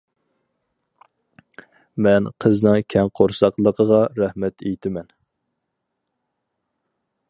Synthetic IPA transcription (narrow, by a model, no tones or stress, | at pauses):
mɛnqʰəznɨŋkʲʰɛŋqʰoɾsɑqlˠəqʰəʁɑɾɛhmɛt̪ʰejt̪ʰɪmɛn